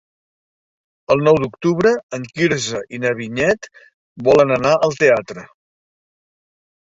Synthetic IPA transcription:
əlˠnɔwd̪uk̚t̪uβɾəəŋkiɾzəʔinəβiɲɛt̪ | bɔlənənaʔəlˠt̪eat̪ɾə

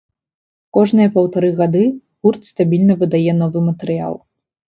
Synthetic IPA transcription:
kɔʐnɨjɐpɐwt̪aɾɨɣad̪ɨ | ɣurt̪st̪abʲilʲnɐvɨd̪ajɛnɔvɨmɐt̪ɛɾɨja̰lˠ

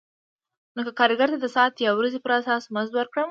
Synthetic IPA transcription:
nokakɑɾɡaɾt̪ad̪əsɑt̪jawɾazepəɾasɑsməzd̪waɾkɽəm

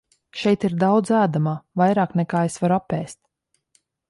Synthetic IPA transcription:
ʃɛjt̪iɾd̪awd̪zæːd̪amaːvajɾaːknɛkaːesvaɾuapːɛːst̪̚

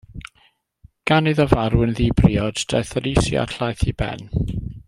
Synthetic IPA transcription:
ɡ̥anɨðɔvaɾwənðibriɔd̥d̥ɛθəɾisja̰tʰlajθibɛ̰n

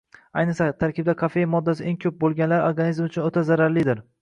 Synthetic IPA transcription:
ajnɨsat̪ʰaɾkʲɪb̚d̪akʰafe̞jmɒd̪ːasɪʔeŋkʲʰɵp̚bolˠɡʲanlaɾoɾɡanizmʊt͡ʃʰʊnot̪ʰazaɾaɾlɪd̪ɪɾ

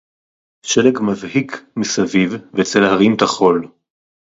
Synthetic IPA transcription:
ʃelekmavhikmisavivvet͡selhaʁimt̪aχo̞l

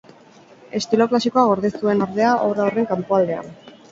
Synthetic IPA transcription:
e̞st̪ilo̞klasiko̞aɣ̞o̞ɾðesue̞noɾðe̞aʔoɾaore̞ŋkampo̞ald̪e̞a̰n

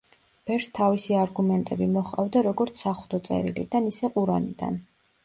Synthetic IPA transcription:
b̥ɛɾst̪ʰavisiaɾɡumɛnt̪ʼɛbimɔχʼa̰vd̪aɾɔɡɔɾt̪sʰaχud̪ɔt̪sʼɛ̰ɾḭlḭd̪anisɛqʼuɾanḭd̪a̰n

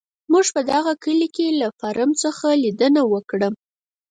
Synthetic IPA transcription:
muʒpəd̪aɣakəlikelafaɾʔəmt͡səxalid̪ənawəkɽə

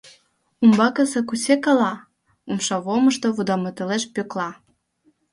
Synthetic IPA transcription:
umbɑkə̆sĕkusekɑlɑ | umʃɑβoməʃt̪oβud̪ɑmɤt̪eleʃpøklɑ

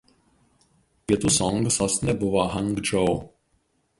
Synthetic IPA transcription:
pʲiɛt̪ʊsɔŋɡsoːsnʲɛbʊʋoɦɐŋɡd͡ʒɔʊ

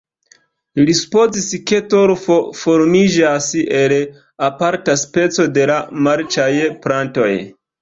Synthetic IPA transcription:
lisu̥po̞ziske̞toɾfofo̞ɾmid͡ʒase̞l | apaɾtaspe̞t͡so̞de̞lamaɾt͡ʃajpɾanto̞̰j

